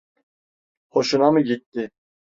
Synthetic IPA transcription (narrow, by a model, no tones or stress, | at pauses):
hoʃunɑmɯɡit̪ːɪ